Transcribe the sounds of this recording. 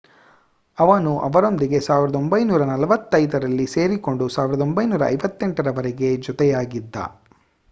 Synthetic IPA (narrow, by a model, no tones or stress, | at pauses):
ɐʋɐnuʔɐʋɐɾo̞nd̪iɡe̞saːʋiɾɐd̪o̞mbɐjnuːɾɐnɐlɐʋɐt̪ːɐjd̪ɐɾɐlːise̞ːɾiko̞ɳɖusaːʋiɾɐd̪o̞mbɐjnuːɾɐ̰ːjʋɐt̪ːɛɳʈɐɾɐʋɐɾɛɡe̞d͡ʒɔt̪ɛjaːɡid̪ːɐ̰